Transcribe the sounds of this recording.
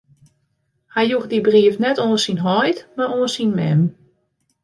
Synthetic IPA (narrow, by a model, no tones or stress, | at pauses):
hajjuxdibriəfnɛtoːsinɦɔjtmaroːnsinmɛ̰m